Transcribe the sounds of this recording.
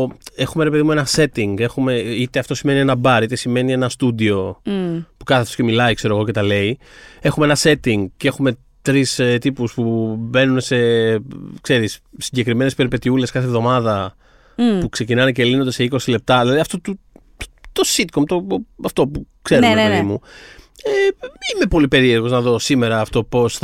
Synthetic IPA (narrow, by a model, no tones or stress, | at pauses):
e̞xume̞ɾepe̞ðimue̞nɐse̞t̪iŋɡe̞xume̞it̪e̞ɐft̪o̞sime̞nienɐbɐɾit̪e̞sime̞nie̞nɐst̪ud̪io̞ | pu̥kɐθefθoso̥ce̞milɐikse̞ɾoɣo̞ce̞t̪ɐle̞ie̞xumeenɐse̞t̪iŋɡceexume̞ | t̪ɾist̪ipuspube̞nunese̞ | kse̞ɾisːiɲɟe̞kɾime̞nespe̞ɾipe̞t̪iule̞skɐθevðo̞mɐðɐ | pukse̞cinɐnecelinod̪ese̞iko̞sile̞p̚t̪ɐðilɐðiɐft̪ot̪u | t̪o̞sit̪komt̪oɐft̪o̞pukse̞ɾeimu | eime̞po̞lipe̞ɾieɾɣo̞znɐðo̞sime̞ɾɐːft̪o̞po̞sθ